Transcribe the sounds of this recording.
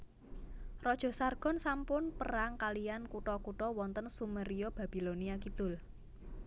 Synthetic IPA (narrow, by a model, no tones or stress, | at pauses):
rɔd̥ʒ̥ɔ̤sarɡ̥ɔ̤nsampʊnpəɾaŋkalijankuʈɔkuʈɔwɔnt̪ənsumeɾiob̥a̤b̥i̤loniakid̪̥ʊl